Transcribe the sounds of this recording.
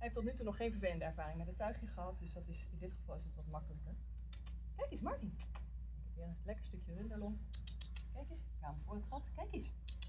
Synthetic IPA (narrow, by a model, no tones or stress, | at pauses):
ɛɛftɔt̬nytunɔχːejnfvəɹvejləndəɛɹvaːrɪŋmɛdətœɥχɪŋχəɦɑt̚dɵsdɑtɪsɪndɪtχəvɑlˠɪsdətʋɑtmɑkələkəɹ | kɛjkɪsmɑɹtin | ɪkɛʋɪːrənətlɛkəɹstɵkjərʏndəlɔn | kɛjkɪsəkaːməvʊːɹtχɑtkɛjkɪs